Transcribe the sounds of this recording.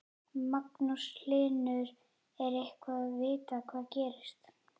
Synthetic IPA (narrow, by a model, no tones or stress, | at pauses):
maknusl̥ɪːnʏɾ | ɛɾejhkvaðvɪːt̪akʰv̥aːðcɛːɾɪst̪